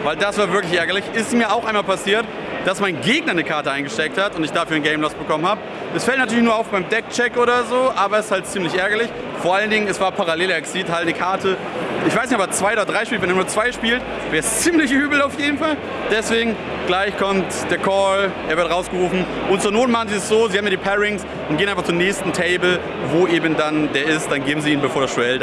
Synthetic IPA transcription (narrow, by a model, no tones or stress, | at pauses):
vaɪldasv̥aːɐvɪɐklɪçʔɛɐɡɐlɪçɪstmiːɐaʊxʔaɪnmaːlpasiːɐt | d̥asmaɪnɡeːɡnɐnəkʰaɐtəʔaɪnɡəʃtɛk̚thatʊntɪçd̥aːfyɐnɡɛɪmlɔsb̥əkʰɔmənhaːbə | ʔɛsfɛltnatʰyːɐlɪçnuɐaʊfb̥aɪmdɛk̚t͡ʃɛkʔoːɾɐzoːʔaːbɐɛsɪ̥sthalt̚t͡siːmlɪçʔɛɐɡɐlɪç | foɐʔaləndɪŋənɛsv̥aːɐpʰaʁaleːleɐksiːthaltnəkʰaɐtʰə | ʔɪçv̥aɪsnɪçtɔbɐt͡sv̥aɪoːdɐdʁaɪʃpiːltvɛnːɐnuɐt͡sv̥aɪʃpiːlt | vɛːɐst͡siːmlɪçʔyːbl̩aʊfjeːdn̩fal | d̥ɛsv̥eːɡŋ̩ | ɡ̥laɪçkʰɔmt | d̥eːɐkʰɔlʔeːɐvɪɐtʁaʊsɡ̥əʁuːfn̩ | ʔʊnt̚t͡suːɐnoːtnmaχn̩ziːstz̥oːzihaːmjiɐdiːpʰɛʁɪŋs | ʔʊnt̚d̥eːənaɪfaχt͡sunɛːçstn̩tʰɛɪbl̩ | voːʔeːbən̩dandeːɐɪst̚d̥anɡeːbm̩ziːiːnbəfoːɐɾastuɛld